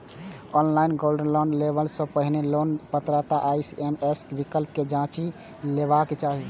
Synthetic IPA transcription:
ɔnlainɡolɖənlonlebəlsə̃pəɦinelonpət̪ɾat̪aʔajsemeskbikəlp̚ked͡ʒãt͡ʃi | leβaket͡ʃa

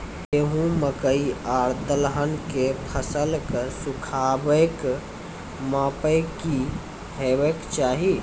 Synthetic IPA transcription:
eɦũməkəiaɾd̪əlɦənkepʰəsəlkəsukʰaːbək | mãpəjki | ɦeʋekt͡ʃaːɦi

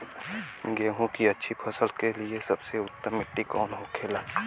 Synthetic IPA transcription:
ɡeːɦũkiɐtːʃʰipʰɐsəlkeliesɐbseʊt̪ːəmːɪʈːikɔːnɦõkʰeːlaː

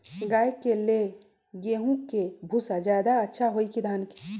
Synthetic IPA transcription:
ɡaːjkele | ɡeːɦũkebʱʊsad͡ʒjaːd̪aɐtːʃʰaɦoːikid̪ʱaːnki̥

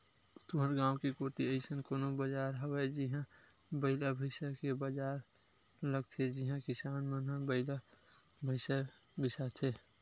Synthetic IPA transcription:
t̪oɦəɾɡãːwkikoːt̪iəɪsənkoːnobəd͡ʒaːɾɦəwed͡ʒiɦã | bəɪlabʱəɪsakebad͡ʒaːɾ | ləɡt͡ʃʰed͡ʒiɦãkɪsaːnmənɦãbəɪlabʱəɪsa | bɪsat͡ʃʰeː

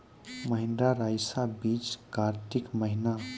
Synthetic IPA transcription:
məɦɪ̃nd̪ɾaɾajsabiːt͡ʃkaɾt̪ikməɦina

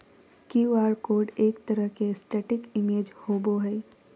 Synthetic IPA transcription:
kiaːɾkoːɾɖeːkt̪əɾəɦkesʈeːʈɪkɪmeːd͡ʒhoːboɦɛː

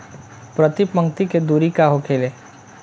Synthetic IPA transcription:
pɾət̪ipə̃ŋɡt̪iked̪uːɾikaɦokʰeːleː

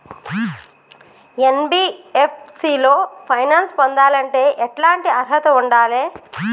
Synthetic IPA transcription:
enbiːep̚ʰsiːlo̞ːpʰɐjnaːnspond̪aːlɐɳʈe̞ːʔɛʈlaːɳʈiɐɾɦɐt̪ɐuɳɖaːleː

